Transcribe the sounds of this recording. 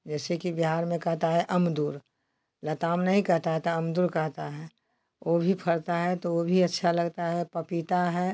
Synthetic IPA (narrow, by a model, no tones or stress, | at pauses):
d͡ʒɛːsekibɪɦaːɾmẽkɐɦt̪aɦɛʔɐmd̪uːɾ | lɐt̪aːmnɐɦĩkɐɦt̪aɦɛt̪aɐmd̪uːɾkɐɦt̪aɦɛː | obʱipʰɐɽt̪aɦɛt̪oobʱiɐtːʃʰalɐɡt̪aɦɛpɐpit̪aɦɛː